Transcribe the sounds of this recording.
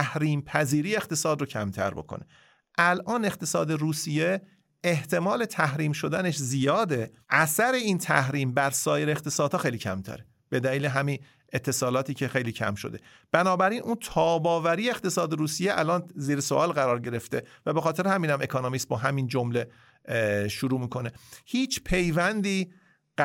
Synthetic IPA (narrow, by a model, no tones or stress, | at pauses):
æhɾiːmpʰæziːɾiːext̪e̞sɒːd̪rocʰæmt̪ʰæ̰ɾbo̞̰kʰo̰ne̞ | ʔælʔɒːne̞qt̪ʰe̞sɒːd̪e̞ɾuːsije̞ | eht̪ʰe̞mɒːle̞t̪ʰæhɾiːmʃo̞d̪æne̞ʃzijɒːd̪e̞ʔæsæɾe̞iːnt̪ʰæhɾiːmbæɾsɒːje̞ɾeːχt̪ʰe̞sɒːd̪̥hɒːxejliːcʰæ̰mt̪ʰæ̰ɾe | b̥e̞d̪æliːleɦæmiːn | et̪ʰːe̞sɒːlɒːt̪iːcʰe̞xe̞jliːcʰæ̰mʃo̞̰d̪e̞ | b̥ænɒːbæɾinʔunt̪ʰɒːbɒːvæɾiːjeːχt̪ʰe̞sɒːd̪eɾuːsijeʔælɒːnziːɾesoʔɒːlɣæɾɒːɾɟe̞ɾe̞ft̪e̞væbe̞xɒːt̪ʰe̞ɾehæmiːnæmʔe̞kʰonomisbɒːɦæmind͡ʒomle̞ | ʃuɾuːmiːkʰo̞ne̞hiːt͡ʃʰpʰe̞jvænd̪iː